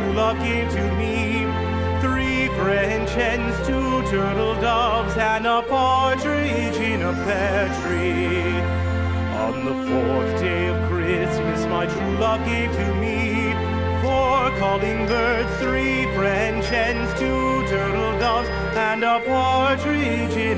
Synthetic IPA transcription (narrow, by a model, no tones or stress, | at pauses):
ulʌkɪ̃tʰɨmi | θɹi | fɹɛ̃nt͡ʃɛ̃nz̥tʰutʰɜ˞ɾl̩ˠdʌbzə̃nəpʰɑɹt͡ʃɹ̥i | t͡ʃɪ̃nəpʰɛt͡ʃɹ̥i | ə̰̃nðəfɔɹθd̥eɪʌv̥kʰɹ̥ɪsmɨsmaɪtʰɹulʌkiɾɨmi | fəkʰɔlˠɪ̃ŋbɜ˞d̥θɹi | fɹɛ̃nt͡ʃɨ̃nz̥tʰu | tʰɜ˞ɾl̩ˠdʌbz̥ | ə̃nəpʰɑtɹi | t͡ʃɪn